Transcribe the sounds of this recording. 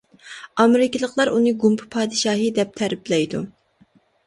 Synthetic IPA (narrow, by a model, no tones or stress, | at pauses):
ɑmɪɾɪkʲɪlˠəqlˠɑɾunɨɡumpʰɨ̥pʰɑːd̪ɨʃɑːɦɨd̪ɛp̚t̪ʰæɾɪblɛjd̪u